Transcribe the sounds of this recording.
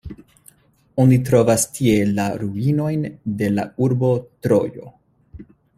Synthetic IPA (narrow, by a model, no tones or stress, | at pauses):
onit̬ɾo̞vastʰie̞laɾuino̞jnde̞la̰uɾbo̞tɾo̞̰jo̞̰